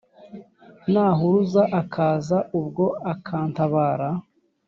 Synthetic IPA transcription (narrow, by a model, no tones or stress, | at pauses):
naːɦuɾuzaʔakʰaːzaʔubɡo̞akʰaːntaβaːɾa